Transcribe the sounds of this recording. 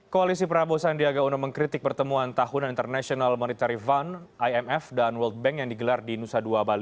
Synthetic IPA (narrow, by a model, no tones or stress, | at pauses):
koalisipəɾabosandiaɡaunoməŋkɾit̪ɪk̚pərt̪əmuant̪aɦunanint̪ərnasionalmɔnit̪aɾivanʔajɛmɛfdanwəlt̪̚bɛŋkjaŋdiɡəlardinusaduabali